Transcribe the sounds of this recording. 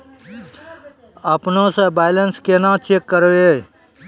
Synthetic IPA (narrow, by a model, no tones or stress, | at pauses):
əpnõsẽbaːjlənskenãt͡ʃeːkːəɾe